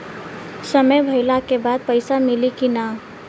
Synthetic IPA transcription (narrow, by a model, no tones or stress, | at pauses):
səməjbʱəɪlakebad̪̚pəɪsamilikina